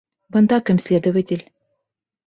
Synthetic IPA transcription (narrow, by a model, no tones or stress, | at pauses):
bɤ̆nd̪ɑkə̆mʲsʲlʲed̪ə̆vətʲelʲ